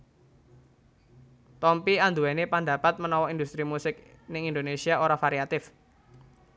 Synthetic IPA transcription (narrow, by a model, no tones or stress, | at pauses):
t̪ɔmpiand̪uwɛnepand̪a̤pat̪̚mənɔwɔind̪ust̪ɾimusɪk | nɪŋind̪onesiaoɾafaɾiat̪ɪf